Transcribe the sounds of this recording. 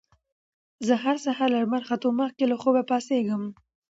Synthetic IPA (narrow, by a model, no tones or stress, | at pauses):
zəɦaɾsahaɾlaɾmaɾxat̪omaxkelaxobapɑseɡəm